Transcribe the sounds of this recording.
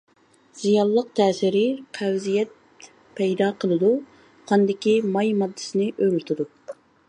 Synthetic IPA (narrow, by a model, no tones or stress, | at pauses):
z̥ijɑlˠːəq̚t̪ʰɛːsɪɾɪqʰɛwzijɛt̪̚ | pʰɛjd̪ɑːqʰəlˠɨd̪u | qʰɑnd̪ɪkʲimɑjmɑd̪ːɨ̥sɪnɪʔøɾylt̪ʰud̪u